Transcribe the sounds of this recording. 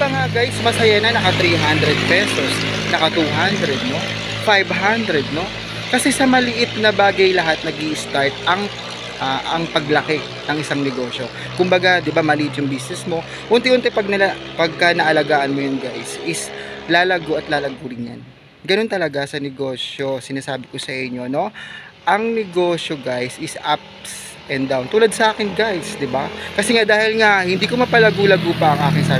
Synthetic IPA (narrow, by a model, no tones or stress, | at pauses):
bɐŋaɡajsmɐsɐjanɐnɐkɐt̪ɾiɦand̪ɾɛd̪̚pɛso̞snɐkɐt̪uɦand̪ɾɛd̪̚no̞ | fajbɦand̪ɾɛd̪̚no̞ | kɐsɛsɐmɐlɪʔɪt̪̚nɐbaːɡɐjlɐɦat̪̚nɐɡiʔɪst̪aɹt̪̚ɐŋ | ʔaʔɐ̰ŋpɐɡlɐkɛ | nɐŋʔɪsaŋnɛɡo̞ːʃo̞ | kʊmbɐɡad̪ɪbamɐlɪʔɪt̪jʊŋbisnɛsmo̞ | ʔʊnt̪ɛʔʊnt̪ɛpɐɡ̚nɐ | pɐɡ̚kɐnɐʔɐlɐɡaːʔɐnmojʊnɡajsʔɪslaːlɐɡoʔɐt̪laːlɐɡuːɾɪnja̰n | ɡɐno̞nt̪ɐlɐɡasɐnɛɡo̞ːsjo̞sɪnaːsaːbɪkosɐʔɪɲːono̞ʔɐŋnɛɡo̞ʃjo̞ɡajsɪsʔap̚ | s | ʔɛnd̪awnt̪uːlɐd̪̚sɐʔaːkɪnɡajsd̪ɪbakɐsɛŋad̪aːhɪlŋahɪnd̪iːkomɐpɐlɐɡulɐɡopɐʔɐŋʔaːkɪŋsaː